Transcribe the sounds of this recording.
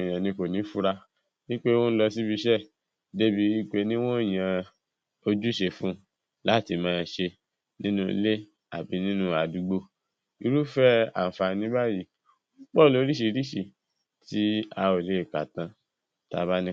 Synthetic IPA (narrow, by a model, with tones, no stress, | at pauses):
j̃ã˨nĩ˧˦ko˨nĩ˨˦fu˦ɾa˧ | nĩ˦k͡pe˦wɔ̃˦n̩˦lɔ˧si˦bi˧ʃɛ˦˨ | de˦bi˧˦i˦k͡pe˧˦nĩ˦w̃ɔ̃˦˨j̃ã˧ | o˧d͡ʒu˦˨ʃe˧fũ˦ | la˦˨ti˧mãː˦˧ʃe˧ | nĩ˦nũ˦˧˦le˦ | a̰˨bi˨˦nĩ˦nũ˦a˨du˧ɡ͡bo˧ | i˧ɾu˦fɛ˦a̰˨n̩˨fa˧˨nĩ˨˦ba˦ji˦ | k͡pɔ˦˨lo˨˦ɾi˦ʃ̬i˧˦ɾi˦ʃi˨ | ti˦a˧o˨le˨˦˨ka˨tã˨˦ | ta̰˧˦ba˦nĩ˦